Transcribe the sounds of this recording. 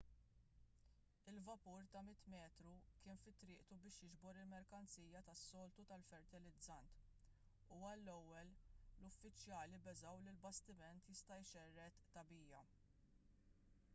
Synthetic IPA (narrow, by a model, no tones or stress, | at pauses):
ɪlvɐpuɾt̪ɐmɪt̪mɛːt̪ɾukɪːnfɪt̪ːɾɪːʔt̪ubɪːʃjɪd͡ʒbɔɾɪlmɛɾkɐnt͡siːjɐt̪ɐsːɔːlt̪ut̪ɐlfɛɾt̪ɪlɪd͡zɐnt̪ | uːɐlːɛwːɛllʊfːɪt͡ʃjɐːlibɛzɐwlɪlbɐst̪ɪmɛnt̪jɪst̪ɐjʃɛrːɛt̪ːɐbiːjɐ